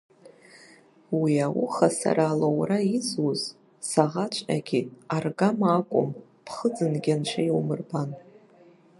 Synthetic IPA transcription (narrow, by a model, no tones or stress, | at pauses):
wiawʊχasa̰raːlowraizuz | saʁat͡ʃʷʰʼa̰ɡʲiarɡamakʷʼʊ̰m | pʰχəd͡zɨnɡʲanʃʷʰajwmɨrban